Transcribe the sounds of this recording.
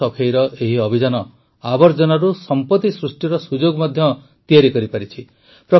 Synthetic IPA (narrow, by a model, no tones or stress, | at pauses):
ɔpʰejɾɔʔeɦiɔbʱid͡ʒanɔ | abɔɾd͡ʒɔnaɾusɔmpɔt̪isɾusʈiɾɔsud͡ʒoɡmɔd̪ʱjɔ | t̪ijaɾikɔɾipaɾit͡ʃʰi | pɾɔ